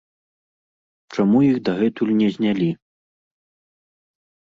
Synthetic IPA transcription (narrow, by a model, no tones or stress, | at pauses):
t͡ʂamujiɣd̪ɐɣɛt̪ulʲnʲɛzʲnʲalʲi